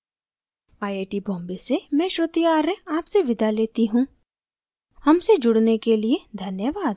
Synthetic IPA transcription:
aːeːʈibɔ̃ːmbesemɛ̃ːʃɾət̪ijaːɾeaːpseʋɪd̪ʱaleːt̪iɦũː | hɐmsed͡ʒʊɽnekelied̪ʱɐnjəʋaːd̪

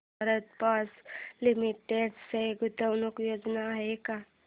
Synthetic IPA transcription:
əɾət̪paslimiʈeɖseɡut̪əwnukjod͡znaːɦeka

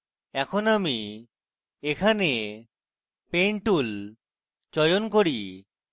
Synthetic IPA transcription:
ɛkʰonami | ekʰane | peɳʈul | t͡ʃɔjonkoɾi

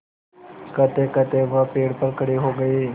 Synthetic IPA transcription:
kət̪ekət̪eʋəpeɽpəɾkəɽiːɦoɡəiː

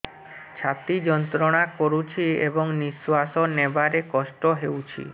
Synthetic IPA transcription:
t͡ɕʰat̪id͡ʑɔnt̪ɾoɽ̃akoɾut͡ɕʰiḛboŋnisːuasonːebaɾekɔʃʈoɦewt͡ɕʰḭ

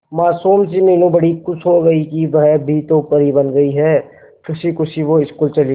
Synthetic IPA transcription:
maːsuːmsimeːnũbɐɽikʊt͡ʃʰɦoɡɐikiʋɐɦɛbʱit̪opəɾibɐnɡɐiɦɛː | kʊsʰikʊsʰiʋoɪskuːlt͡ʃɐli

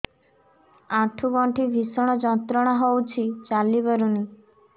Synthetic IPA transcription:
ãʈʰuɡɔɳʈʰibʱisɔɽ̃ɔd͡ʒɔnt̪ɾɔɽ̃ɔɦowt͡ʃʰit͡ʃalibɔɾuni

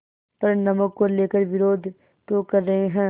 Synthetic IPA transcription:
pɐɾnɐməkkoleːkəɾʋɪɾoːd̪ʱ | t̪okɐɾːɐɦeɦɛ̃ː

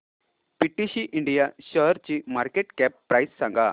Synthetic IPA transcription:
piʈːiɕiʔiɳɖijaɕəɦɾt͡ɕimaɾkeʈkɛpːɾajsːãŋɡa

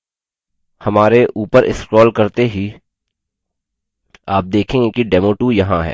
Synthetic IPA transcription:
hɐmaːɾeʔuːpəɾʔɪ̰skɾɔːlkɐɾt̪eɦi | aːp̚d̪eːkʰẽːŋɡekiɖɛːmoːʈujɐɦãɦɛ̰ː

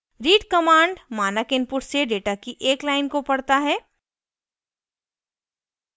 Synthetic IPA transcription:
ɾiːʈkɐmãːɳɖmaːnəkɪ̃npʊʈʰseɖeːʈakiʔeːklaːɪnkopɐɽt̪aɦɛː

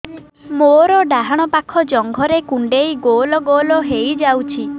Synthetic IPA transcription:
moɾɔɖaɦaɽ̃ɔpakʰɔd͡ʒɔŋɡʱɔɾekuɳɖejɡolɔɡolɔɦejd͡ʒawt͡ʃʰi

